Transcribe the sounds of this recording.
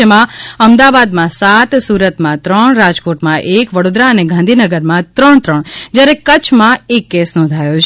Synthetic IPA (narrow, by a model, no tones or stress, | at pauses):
əmãəmd̪aʋad̪mãsat̪suɾət̪mãt̪ɾəɳɾad͡ʒkoʈmãʔekʋəɽod̪ɾaəneɡʱãnd̪ʱinəɡəɾmãt̪ɾəɳt̪ɾəɳd͡ʒjaɾekət͡ʃʰmãekːesnɔ̃nd̪ʱajot͡ʃʰ